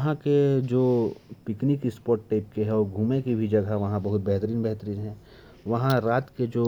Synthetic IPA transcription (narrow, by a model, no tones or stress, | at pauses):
ɦãked͡ʒoːpɪknikɪspɔːɾʈːaːɪp̚keɦɛɔːɾɡʱuːmekibʱid͡ʒɐɡɦaʋɐɦãbɐɦʊt̪̚bɛɦt̪əɾiːnbɛɦt̪əɾiːnɦɛ̃ː | ʋɐɦãɾaːt̪ked͡ʒoː